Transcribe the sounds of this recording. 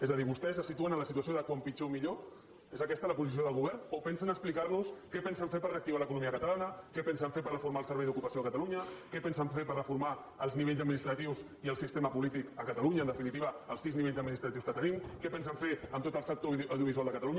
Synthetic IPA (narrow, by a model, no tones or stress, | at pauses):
ezəðiβust̪ɛs̬əsit̪uənənləsit̪uəsioðəkwampid͡ʒomiʎo | ezəkɛst̪ələpuzis̬ioðəlˠɣuβ̞ɛɾnopɛnsənəksplikaɾnuskɛpɛnsəɱfepəɾreək̚t̪iβaləkunumiəkət̪alanəkɛpɛnsəɱfepəɾrəfuɾmalˠsəɾβɛjðukupəsioəkət̪aluɲəkɛpɛnsəɱfepərrəfuɾma | əlˠzniβeʎzəd̪minist̪ɾət̪iwz | iəlˠsist̪eməpulit̪ikəkət̪aluɲəːnd̪əfinit̪̬iβəəlˠsizniβeʎzəd̪minist̪ɾət̪iwskət̪ənimkɛpɛnsəɱfeəmt̪ot̪əlˠsək̚t̪owðiuβizwalˠd̪əkət̪aluɲə